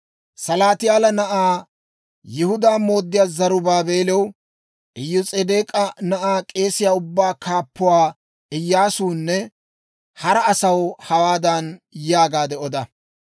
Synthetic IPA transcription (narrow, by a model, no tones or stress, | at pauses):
sɐlaːt̪ɪjaːlɐnɐʔaː | jɪhʊd̪aːmo̞ːd̪ːɪjaːzɐɾʊbaːbe̞ːlɛw | ʔɪjːʊt͡sʼed̪eːkʼɐnɐʔaːkʼe̞ːsɪjaːʊbːaːkaːpːʊwaː | ɪjːaːsuːnːɛ | hɐɾɐːsɐwhɐwaːd̪ɐnjaːɡaːd̪ɛɔd̪ɐ